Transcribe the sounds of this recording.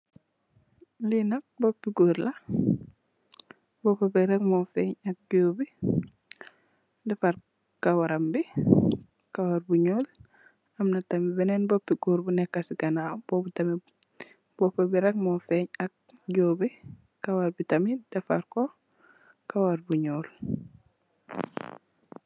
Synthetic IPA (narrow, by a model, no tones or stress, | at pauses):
linɐk̚bɔpːiɡoːɾlɐ | bɔpɐbiɾɛk̚mɔfɛɲɐk̚ɟoːbi | dɛfɐɾ | kawɐɾɐmbi | kɐwaɾbuɲoːl | ɐmnɐtɐmibɛnɛnbɔpːiɡuːɾbunɛkːɐsiɡɐnabobutɐmi | b̥ɔpɐbiɾɛk̚mɔfɛɲɐk̚ɟoːbi | kɐwɐɾbitɐmidɐfaɾkɔ | kɐwaɾbuɲoːl